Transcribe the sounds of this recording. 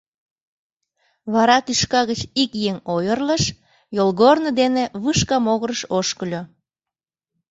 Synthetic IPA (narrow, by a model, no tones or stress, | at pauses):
βɑɾɑt̪yʃkɑɣət͡ɕikjeŋojərləʃ | jolɣornəd̪eneβɯʃkɑmoɣəɾəʃoʃkəlʲo